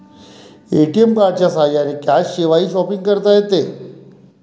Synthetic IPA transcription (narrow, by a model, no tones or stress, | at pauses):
eʈiempaɾt͡ʃasaːjanekaʃːeʋaiʃɔpiŋɡ̚kəɾt̪aɦet̪e